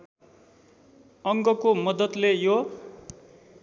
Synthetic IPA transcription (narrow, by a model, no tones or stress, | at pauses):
ʌŋɡʌkomʌd̪ʌt̪lejo